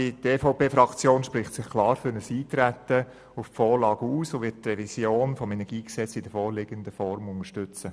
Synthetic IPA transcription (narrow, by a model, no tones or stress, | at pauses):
iteːfɑʊpeːfɾɑkt͡sjoːnʃpɾɪχtsɪχkʰlɑːɾfʏɾnəsiːt̪ɾæt̪ə | uftfɔːɾlɑːɡ̥əuːsoʋɪtt̪rɛvisjoːnfɔmɛnɛɡ̥iːksɛt͡sɪd̥əfɔːɾlɪɡənd̪əfɔɾmʊŋəʃtʏt͡sə